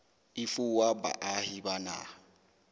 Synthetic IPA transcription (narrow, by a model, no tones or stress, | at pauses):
ɪfuwaba̰ʔahibana̰ː